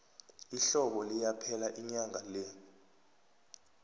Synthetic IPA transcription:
iɬɔɓɔlijapʰɛlaʔiɲaŋʱalɛ

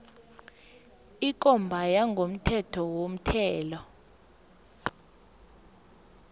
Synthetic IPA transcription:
ik̬ʼɔmbʱajaŋɡʱom̩tʰɛtʰɔwom̩tʰɛːlɔ

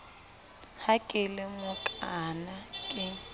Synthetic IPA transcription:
hakʼɪlɪmʊkʼanakʼɪ

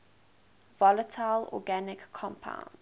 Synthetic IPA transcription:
vɔlətʰaɪlɔ̰ɡanɪkʰːɔ̃mpʰã̰ʊ̃nd

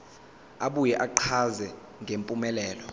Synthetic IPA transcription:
aɓujɛʔaǃʰazɛ | ŋʱempʼumɛlɛːlɔ

